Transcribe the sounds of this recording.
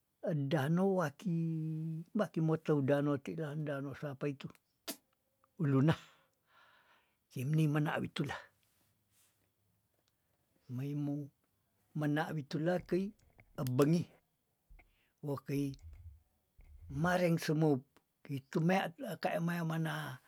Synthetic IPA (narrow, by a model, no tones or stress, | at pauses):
ədanowaki | bakimot̪əudanot̪iʔlandanosapait̪u | ulunah | kəimnəməna̰ʔbit̪ulah | məimo | mənaʔwit̪ulakəi | əbəŋi | wokəi | maɾɛŋsəməp̚ | kəit̪umaaʔkaʔamajamana